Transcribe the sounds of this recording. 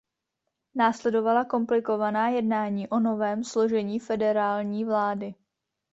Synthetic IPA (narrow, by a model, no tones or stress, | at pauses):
naːslɛdo̞valako̞mplɪko̞vanaːjɛdnaːɲiːʔo̞no̞vɛːmslo̞ʒɛɲiːfɛdɛɾaːlɲiːvlaːdɪ